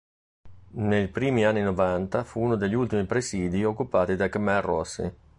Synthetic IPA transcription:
neʎpɾiːmianːinovant̪afuuːnod̪eʎːiult̪imipɾesiːd̪iokːupaːt̪id̪akamɛarːɔsːḭ

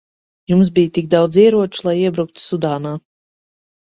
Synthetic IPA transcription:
jums̬bijt̪ik̚d̪awd̪ziɛɾuɔt͡ʃu̥lˠajiɛbɾuk̚t̪u̥sud̪aːnaː

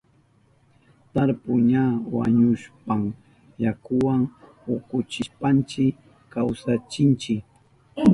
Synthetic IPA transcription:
t̪aɾpʊɲawa̰ɲʊʃpam | jakʊwaŋ | ʊkʊt͡ʃɪʃpant͡ʃɪk | kawsat͡ʃɪnt͡ʃɪk

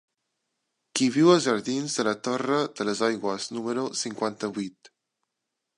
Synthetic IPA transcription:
kiβiwəlˠzʒəɾðinzðələt̪orəd̪ələzɔjɣwəznuməɾusiŋkwant̪əβit̪

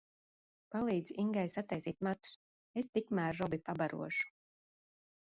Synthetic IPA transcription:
palˠiːd̪ziŋɡajsat̪ːɛjsiːt̪̚mat̪u̥s | est̪ikmæːɾːɔbipabaɾṵɔʃu̥

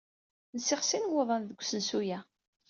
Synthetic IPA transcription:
nəsɪχsinwʊðˤənðəɡʷːsənsujæ

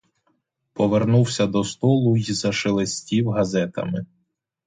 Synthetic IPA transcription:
pɔʋernuwsʲɐd̪ɔst̪ɔlˠʊizɐʃelˠesʲtʲiwɦɐzɛt̪ɐ̰mɪ

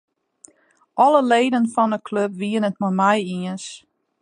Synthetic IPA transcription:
ʔɔləleːdənfɔnəkʰløpʋiənət̚mɔjmɛjiəns

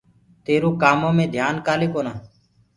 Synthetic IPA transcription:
t̪eːɾõːkaːmõːmẽːd̪ʱjaːnkaːleːkoːnaː

